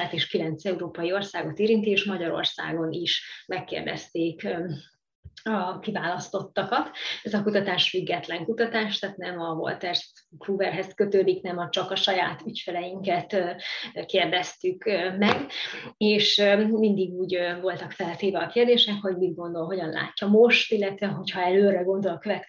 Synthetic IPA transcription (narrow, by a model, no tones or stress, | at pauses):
at̪eːʃkilɛnt̪sɛuɾoːpɒjio̞rsaːɡo̞t̪eːɾint̪ieːʃmɒɟɒɾo̞̰rsa̰ːɡo̞niʃmɛkːḛːrd̪ɛ̰st̪eːk | ɒkivaːlɒst̪o̞t̪ːɒkɒt̪ɛzɒkut̪ɒt̪aːʃfyɡːɛt̪lɛŋkut̪ɒt̪aːʃt̪aːt̪nɛmɒvo̞̰lt̪ɛrskluːvɛrɦɛskøt̪øːd̪iknɛmɒt͡ʃɒkɒʃɒjaːt̪ycfɛlɛjiŋkɛt̪ː | keːrd̪ɛst̪ykømɛɡeːʃømind̪iɡuːɟøvo̞lt̪ɒkfɛlt̪eːvɛɒkeːrd̪eːʃɛkho̞ɟmid̪ɡo̞nd̪o̞lɦo̞ɟɒnla̰ːcːɒmo̞ʃt̪ilːɛt̪vɛɦo̞chɒɛløːrɛɡo̞nd̪o̞lɒkøvɛt̪